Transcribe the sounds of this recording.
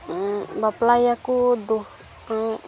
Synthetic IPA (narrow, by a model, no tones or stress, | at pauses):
baplajakud̪u